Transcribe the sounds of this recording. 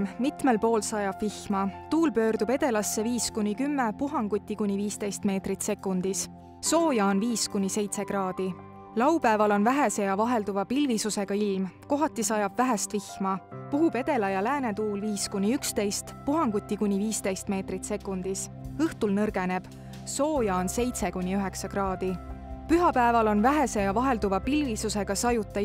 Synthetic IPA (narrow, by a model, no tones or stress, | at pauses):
mit̪me̞lpo̞ːlsɑjɑb̥vihmɑt̪uːlpø̞ːrd̪ube̞d̪e̞lɑsːe̞viːskunʲikymːe̞puɦɑŋɡ̥ut̪ʲːˑikunʲːiviːst̪e̞jst̪me̞ːt̪rit̪se̞kːˑund̪̥is | so̞ːjɑonviːskunʲːise̞jt̪se̞ɡrɑːd̪̥i | lɑwpæevɑlo̞nvæɦe̞se̞jɑvɑɦe̞ld̪uvɑpilvisuse̞ɡ̥ɑilmko̞ɦɑt̪ːˑisɑjɑbvæɦest̪vihmɑpuɦube̞d̪e̞lɑjɑlæːne̞t̪uːlviːskunʲiykst̪e̞jst̪puɦɑŋɡ̥ut̪ʲːˑikunʲːiviːst̪e̞jst̪me̞ːt̪rit̪se̞kːˑund̪̥isɤht̪ulnɤrɡ̥e̞ne̞b̥ | so̞ːjɑonse̞jt̪se̞kunʲːiyɦe̞ksɑɡrɑːd̪̥ipyɦɑpæevɑlo̞nvæɦe̞se̞jɑvɑɦe̞ld̪uvɑpilvisuse̞ɡ̥ɑsɑjut̪ːˑɑ